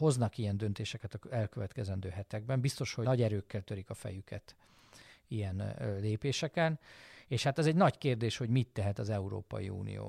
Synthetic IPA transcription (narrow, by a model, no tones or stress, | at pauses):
ho̞znɒkijɛnd̪ø̞nt̪eːʃɛkɛt̪ɒɛlkøvɛt̪kɛzɛnd̪øːɦɛt̪ɛɡ̚bɛmbist̪o̞ʃhonɒɟɛɾøːkːɛlt̪ø̞ɾikɒfɛ̰jykɛt̪ | ijɛnleːpeːʃɛkɛneːʃhat̪ɛzɛɟnɒɟkeːrd̪eːʃho̞ɟmit̪ːɛɦɛt̪ɒzɛuɾo̰ːpɒ̰jḭṵːnḭjo̰ː